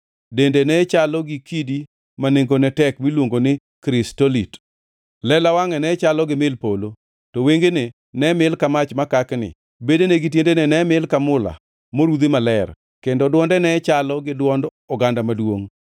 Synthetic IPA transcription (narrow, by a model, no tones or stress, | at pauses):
dendenɛt͡ʃalɔɡɪkidi | maneŋɡonɛtɛkmilwoŋɡonɪ | kɾɪstolit | lɛlawaŋɛnɛt͡ʃalɔɡɪmɪlpolo | tɔweŋɡene | nɛmɪlkamat͡ʃmakaknɪ̰ | bedeneɡɪt̬jendenɛnɛmɪlkamʊla̰ | moɾud̪imalɛr | kendɔdwɔndɛnɛt͡ʃalɔɡɪdwɔnd | ɔɡandamadwoŋ